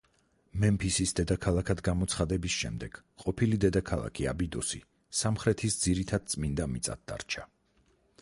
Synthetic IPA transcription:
mɛmpʰisisd̪ɛd̪akʰalˠakʰad̪ɡamɔt̪sʰχad̪ɛbisʃɛ̰md̪ɛɡ̥ | qʼɔpʰilid̪ɛd̪akʰalˠa̰kʰia̰bid̪ɔsḭ | samχɾɛt̪ʰisd̪ziɾit̪ʰad̪̥̚t̪sʼmind̪amit̪sʼa̰d̪̚d̪a̰ɾt͡ʃʰa

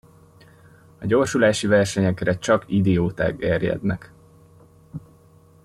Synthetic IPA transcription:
ɒɟo̞ːrʃulaːʃivɛrʃɛɲɛkrɛt͡ʃɒkid̪ɛoːt̪a̰ːɡɛrjɛ̰d̪nɛk

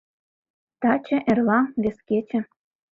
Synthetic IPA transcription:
t̪ɑt͡ɕĕʔerlɑβesket͡ɕĕ

